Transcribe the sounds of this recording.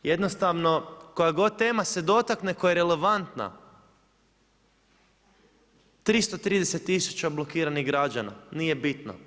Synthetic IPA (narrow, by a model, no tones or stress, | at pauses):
jed̪no̞st̪aʋno̞ko̞jaɡo̞d̪̚t̪e̞ːmase̞d̪o̞t̪akne̞kojaɾele̞ʋant̪na̰ | t̪ɾist̪ot̪ɾiːd̪eset̪ːisu̥t͡ɕablo̞kiːɾaniɣɡɾad͡ʑana̰nijebit̪no̰